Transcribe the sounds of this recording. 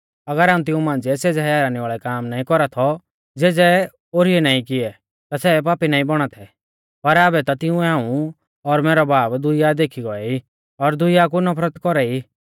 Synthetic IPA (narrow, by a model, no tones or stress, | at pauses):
ɐɡəɾaːũt̪ɪũmãːnd͡zɛseːd͡zɛɦajaːɾaːniʋaːɭɛkaːmnaːĩkɔɾat̪ʰɔ | d͡zeːd͡zɛ | oːɾiɛnaːĩkɪɛ | t̪asɛpaːpinaːĩbɔɽ̃at̪ʰɛ | pɐɾaːbɛt̪at̪ɪũɛaːũ | ɔɾmɛːɾɔbaːbd̪ʊɪjad̪eːkʰiɡɔɛi | ɔɾd̪ʊɪjak̬unɔpʰɾət̪kɔɾɛi